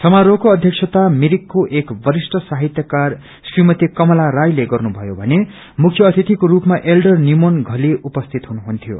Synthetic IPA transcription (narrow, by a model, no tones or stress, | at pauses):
sʌmaɾokoʌd̪ʱjʌksʰʌt̪amiɾikːoʔekbʌɾisʈʌsaɦit̪jʌkar | srimʌt̪ikʌmʌlaɾajleɡʌrnubʱʌjobʱʌne | mukʰjʌːt̪ʰit̪ikoɾupmaʔelɖʌrnimonɡʱʌliupʌst̪ʰit̪ɦunuɦunt̪ʰijo̰